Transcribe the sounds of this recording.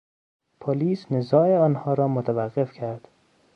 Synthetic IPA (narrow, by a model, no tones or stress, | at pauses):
pʰoliːsnezɒːeɒːnhɒːɾɒːmot̪ʰævæɣːe̞fcʰæɾd̪̥